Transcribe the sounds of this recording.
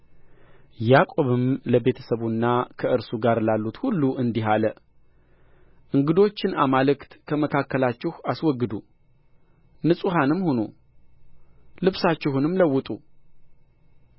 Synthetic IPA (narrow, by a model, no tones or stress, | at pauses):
jakʼo̞βɨmləbe̞t̪ʰə̥səβunːakʰəʔɨɾsuɡaɾlalːut̪hulːuʔɨnd̪iɦalə | ʔɨŋɡɨd̪o̞t͡ʃːɪnamalɨkt̪kʰəməkʰakːəlat͡ʃːɪhaswɔɡːɨd̪u | nɨsʼuɦanɨmhono̰ | lɨβsat͡ʃːɪhunɨmləwːʊt̪ʼu